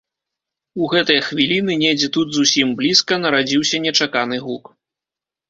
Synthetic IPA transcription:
uɣɛt̪ɐjɐxvʲilʲinɨnʲɛd͡zʲɛt̪ud̪zusʲimblʲiskɐnɐɾad͡zʲiwsʲɐnʲɛt͡ʂakanɨɣuk

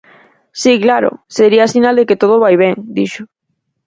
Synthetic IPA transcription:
siklaɾʊ̰seɾiaːsinald̪eket̪oð̞oβajβ̞ɛŋd̪iʃo

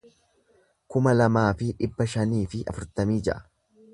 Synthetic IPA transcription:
kʊmɐlɐmaːfɪᶑɪbːɐʃɐniːfɪʔɐ̰fʊɾt̪ɐmiːd͡ʒɐ̰ʔɐ̥

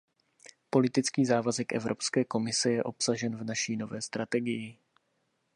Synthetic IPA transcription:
po̞lɪt̪ɪt͡skiːzaːvazɛkʔɛ̰vɾʔo̞pskɛːko̞mɪsɛjɛʔo̞psaʒɛnvnaʃiːno̞vɛːst̪ɾat̪ɛɡɪjɪ

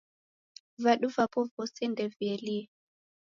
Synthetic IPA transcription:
vaɗuvapɔvɔsɛndɛvjɛli

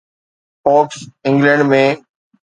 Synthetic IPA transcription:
pɔːksɪ̃ŋɡlə̃ɳɖmẽː

